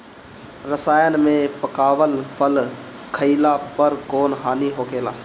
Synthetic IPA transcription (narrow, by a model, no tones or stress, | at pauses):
ɾəsaːjənmẽpəkaːʋəlpʰəl | kʰəɪlapəɾkoːnɦaːniɦoːɡeːlaː